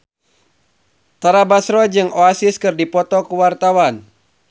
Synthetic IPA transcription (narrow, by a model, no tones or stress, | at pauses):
t̪aɾabasɾɔd͡ʒɨŋoasɪskɨrdipɔt̪ɔkuwart̪awan